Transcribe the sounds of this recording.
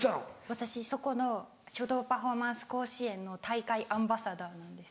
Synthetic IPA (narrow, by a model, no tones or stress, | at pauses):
t̪ãβat̪aɕiso̞ko̞no̞ | ɕo̞d̪o̞ːpaɸo̞mãɰ̃sɨ̥ko̞ːɕiẽ̞nːo̞t̪aikaiʔãmbasad̪aːnãnd̪e̞sɨ̥